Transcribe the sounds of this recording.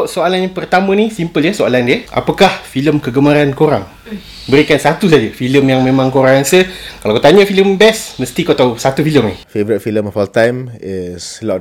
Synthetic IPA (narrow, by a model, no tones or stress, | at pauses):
ʔsoalanjapərt̪amə̃nisimpəljəsoalandiəʔa̰pakahfiləmkəɡəmaɾankoɾaŋ | bəɾikansat̪us̬ad͡ʒəfiləmjaŋmẽmãŋkoɾaŋansəkalakat̪aɲəfiləmbɛsmə̃st̪ikoat̪awsat̪ufiləmnḭfevəɾit̚filəmɔfɔltãjmɪslɔt